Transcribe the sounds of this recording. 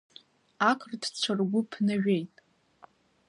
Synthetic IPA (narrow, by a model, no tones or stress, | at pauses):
akʷʰʼrdt͡ɕʷʰarɡʷʊpʰnaɥᶣejtʼ